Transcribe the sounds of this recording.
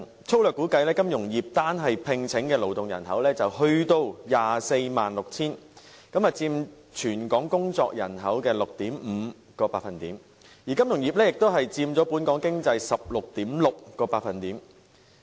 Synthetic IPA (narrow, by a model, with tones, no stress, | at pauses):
t͡sʰo˥wlœː˨kːuː˨˥kɐ˧jlɛː˥kɐ˥mjʊ˨˩ŋjiː˨p̚t̪aː˥nɦɐ˨jpʰɪ˧ŋt͡sʰɪ˨˥ŋkɛː˧lo˨˩wt̪ʊ˨ŋjɐ̰˨˩nɦɐ˨˥wlɛː˥t͡sɐ˨whɵ˧ɥt̪o˧wjaː˨se˧jmaː˨nlʊ˨k̚t͡sʰiː˥nkɐ˨˥mɐ˨t͡siː˧m | t͡ʃʰyː˨˩nkɔː˨˥ŋkʊ˥ŋt͡sɔ̰ː˧k̚jɐ̰˨˩nɦɐ˨˥wkɛː˧lʊ˨k̚t̪iː˨˥m̩˨˩˧ | kɔː˧paː˧t̚fɐ˨nt̪iː˨˥m | jiː˨˩kɐ˥mjʊ˨˩ŋjiː˨p̚lɛː˥jɪ˨k̚t̪o˥wɦɐ˨jt͡siː˧mt͡sɔː˨˥puː˨˥nkɔː˨˥ŋkɪ˥ŋt͡sɐ˧jsɐ˨p̚lʊ˨k̚t̪iː˨˥mlʊ˨k̚kːɔː˧paː˧t̚fɐ˨nt̪iː˨˥m